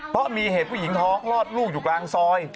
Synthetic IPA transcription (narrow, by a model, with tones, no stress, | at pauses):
pʰɔ˦˥miː˧ɦeː˨˩t̪̚pʰuː˥˩i˩˦ŋt̪ʰɔː˦˥ŋlɔː˥˩t̪̚luː˥˩k̚juː˨˩klaː˧ŋsɔː˧˥j